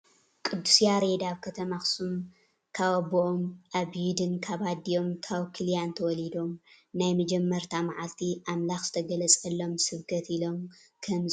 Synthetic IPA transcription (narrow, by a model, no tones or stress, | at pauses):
kʼɨd̪ːusijaɾed̪aβkʰɐt̪ʰɐmaxsum | kʰaβaboʔomʔaβjid̪ɨnkʰaβad̪ijo̞mkʰaβkʰɨljant̪ʰɐwɔlid̪o̞mnajmɐd͡ʒɛmːɐɾt̪ʰamaʕalt̪ʰiʔamlaxz̥ɨt̪ʰɐɡɐlɐt͡sʼɐlːo̞msɨβkʰɐt̪ilo̞mkʰɐmz